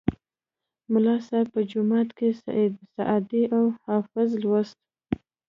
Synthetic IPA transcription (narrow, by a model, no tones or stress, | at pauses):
mʊlɑsapəd͡ʒʊmɑt̪kesa̰ʔed̪saʔɑd̪iʔawhɑfɪzlwast̪̚